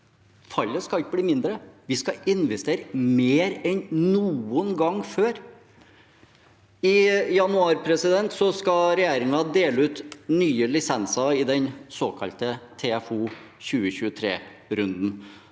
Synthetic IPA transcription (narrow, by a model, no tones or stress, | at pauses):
fɑlːəskɑt̪əbliːmɪnd̪ɾəʋɪskɑʔɪnʋɛst̪eːɾəmeːɾɛnnuːənɡɑŋføːɾ | ɪjɑnʉɑːɾpʰɾɛsɪd̪ɛnt̪sɔskɑɾɛjæːɾɪŋɑd̪eːləʉːt̪nyːəlɪsɛnsɑɪd̪ɛnsoːkʰɑ̰lt̪ət̪ʰɛæfuː | çʉːəçʉːət̪ʰɾḛːɾʉnd̪n̩